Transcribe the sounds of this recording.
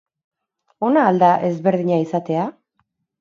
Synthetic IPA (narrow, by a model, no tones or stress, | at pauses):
o̞naːld̪aʔe̞zβe̞ɾð̞iɲaisat̪e̞a